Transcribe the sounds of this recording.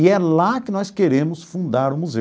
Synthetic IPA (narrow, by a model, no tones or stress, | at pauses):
ɪɛllakɪnɔskeɾẽmʊsfũnd̪aɾʊmuze